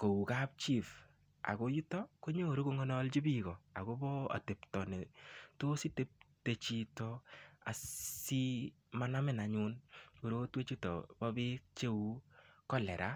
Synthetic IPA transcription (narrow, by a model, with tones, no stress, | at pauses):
ko˨wu˨ka˦p̚t͡ʃi˦˨f | a̰˨ko˦ju˦tɔ˦ko˦ɲo˦˨ɾo˦ku˦ŋɔ˦nɔ˦lt͡ʃi˦bi˦ɣɔ˨a̰˨ko˦bɔ˦a̰˨te˨ptɔ˨ne˨to˦si˦te˦p̚te˨t͡ʃi˦tɔ˦a̰˨si˦ | ma˦na˦mɪ˦˨na˨ɲunku˨ɾo˦twe˦t͡ʃi˦tɔ̰˨bɔ˦bɪ˦k̚t͡ʃe˦wu˦kɔ˦lɛ̰˨ɾʔa˦